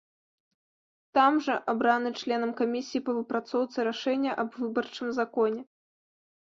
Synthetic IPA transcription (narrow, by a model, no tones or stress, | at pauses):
t̪amʐɐʔabɾanɨt͡ʂlʲɛnɐmkamʲisʲijipɐvɨpɾat̪sɔwt̪sɨɾaʂɛnʲːɐʔɐbvɨbɐrt͡ʂɨmzakɔnʲɛ